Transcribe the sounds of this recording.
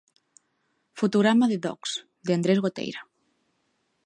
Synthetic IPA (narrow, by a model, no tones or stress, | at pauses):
fot̪uɣɾamaðeðɔ̰ks | d̪eand̪ɾezɣot̪ḛjɾa